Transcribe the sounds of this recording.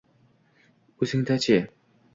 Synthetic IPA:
usiŋt̪ʰat͡ɕʰe

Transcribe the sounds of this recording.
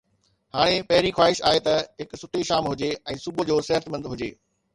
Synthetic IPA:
haːɽ̃epɐɦɪɾixwaːɪʃaːet̪ɐɦɪksʊʈʰeʃaːmɦʊd͡ʑeɛ̃ːsʊbʱʊ̆d͡ʑoːsɐɦət̪mə̃nd̪ɦʊd͡ʑeː

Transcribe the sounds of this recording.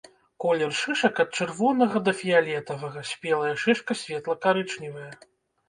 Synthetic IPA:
kɔlʲɛrʂɨʂɐkɐt̪̚t͡ʂɨrvɔnɐɣɐd̪ɐfʲialʲɛt̪ɐvɐɣɐsʲpʲɛlˠɐjɛʂɨʂkɐsʲvʲɛt̪lˠɐkaɾɨt͡ʂnʲivɐjɐ

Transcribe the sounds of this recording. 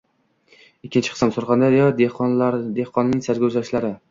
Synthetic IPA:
ɪkʲʰːɪnt͡ʃʰɪ̥ɨ̥sɑmsoɾχɑnd̪aɾjɒd̪ed̪ehqɒnnɪŋsaɾɡʲazaʃlaɾɪ

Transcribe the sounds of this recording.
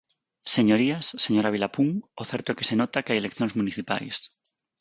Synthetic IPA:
se̞ɲoɾiasːeɲoɾaβ̞ilapuŋoθeɾt̪okese̞not̪akeajelekθjonzmũniθipa̰js

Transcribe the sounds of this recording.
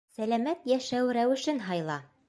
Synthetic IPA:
sælæmæt̪jæʃæwɾæwɘ̆ʃɘnɦɑjlˠɑ

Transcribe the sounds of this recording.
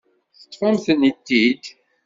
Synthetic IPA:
θə̥t̪ːˤfæmθənit̪ːid̪

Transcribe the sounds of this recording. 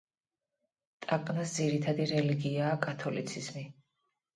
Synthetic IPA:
t̪ʼakʼnasd̪ziɾit̪ʰad̪iɾɛliɡiaːkʼat̪ʰɔlḭt̪sʰizmi

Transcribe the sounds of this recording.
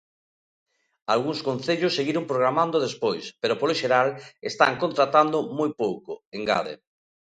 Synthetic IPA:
alɣuŋskõnθeʎosːeɣiɾompɾoɣɾamãnd̪oðespojspeɾopoloʃeɾalest̪a̰ŋkont̪ɾat̪and̪omojpowkoeŋɡa̰ðḛ

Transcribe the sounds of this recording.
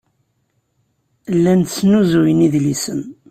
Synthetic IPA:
lːænt͡sːnuzujəniðlisən

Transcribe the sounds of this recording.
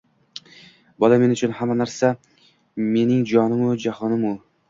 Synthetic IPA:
bɒlame̞nʊt͡ʃʰʊnhamːanaɾsa | me̞nɪŋd͡ʒɒnɪmʊd͡ʒahɒnɪmʊ

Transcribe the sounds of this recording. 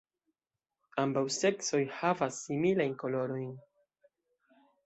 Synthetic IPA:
ambawse̞kso̞jhavasːimilajnko̞lo̞ɾo̞jn

